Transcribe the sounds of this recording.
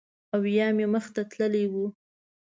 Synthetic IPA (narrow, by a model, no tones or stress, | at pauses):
awjɑmeməxt̪at̪ləlewu